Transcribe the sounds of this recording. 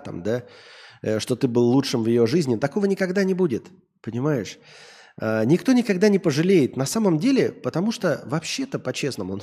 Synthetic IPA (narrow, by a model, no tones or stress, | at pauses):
t̪a̰md̪a | ʂt̪o̞t̪ɨbɨlˠːutʂɨmvjɪjo̞ʐɨzʲnʲɪt̪ɐko̞vənʲɪkɐɡd̪anʲɪbudʲɪt̪ | pənʲɪmajɪʂ | ənʲɪkt̪o̞nʲɪkɐɡd̪anʲɪpəʐɨlʲejɪt̪nɐsaməmdʲelʲɪpət̪ɐmuʂt̪ovɐpɕːe̞t̪əpɐt͡ɕe̞snəmʊn